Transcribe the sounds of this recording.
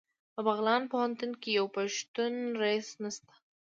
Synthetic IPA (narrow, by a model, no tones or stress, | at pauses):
pəbaɣlɑnpohant̪unkejawpaʃt̪unɾaisnast̪ḁ